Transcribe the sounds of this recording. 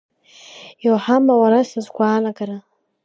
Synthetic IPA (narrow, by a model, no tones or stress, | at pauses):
joħamawaɾasazɡʷʼaːnakʼaɾa